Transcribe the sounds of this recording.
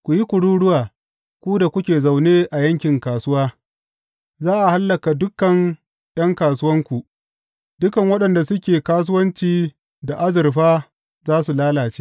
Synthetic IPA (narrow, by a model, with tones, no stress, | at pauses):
kʷu˨ji˦kʷʊ˨ɽuː˦ɽʊ˦waː˨ | kʷu˦da˨kʷʊ˦kʲeː˨za˨wneː˦ʔa˨jɐ˦ŋkʲɪ˨ŋkaː˨sʊ˦waː˦ | zaː˦ʔa˨ha˦lːɐ˨ka˨dʊ˦kːɐ˨n | ɗɐ˦ŋkaː˨s̬ʊ˦wɐ˦ŋkʷu˨ | dʊ˦kɐ˨ŋwɐ˦ɗɐ˨nda˨sʊ˦kʲeː˨kaː˦s̬ʊ˦wɐ˦nt͡ʃiː˨ | da˨ʔa˦zɪ˨rɸaː˦ | zaː˦su˨laː˦laː˨t͡ʃe̥ː˦ʔ